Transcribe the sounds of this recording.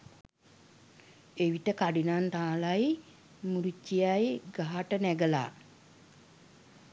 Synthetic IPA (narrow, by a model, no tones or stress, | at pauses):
eʋiʈəkaɖinant̪aːlaj | muɾit͡ʃːijajɡaɦaʈənæɡəla̰ː